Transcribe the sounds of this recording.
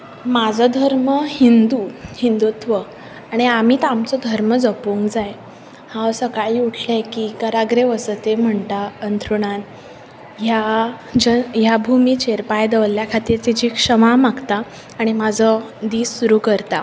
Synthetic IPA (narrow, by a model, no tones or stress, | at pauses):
mad͡zʱɔd̪ʱəɾməhind̪uhind̪ut̪ʋə | aɽ̃iamiːt̪amt͡sɔd̪ʱəɾməd͡zəpuŋkd͡zaj | hãwsəkaɦiːuʈʰlekiːkəɾaɡɾeʋəsət̪em̤əɳt̪aənt̪ʰɾuɽ̃an | ɦjad͡ʑəjabʱumit͡ɕeɾpajd̪əʋlljakʰat̪iɾt͡sid͡ʑikʂəmamaɡt̪aː | ɽ̃imad͡zʱɔ | d̪iːsːuɾukəɾt̪a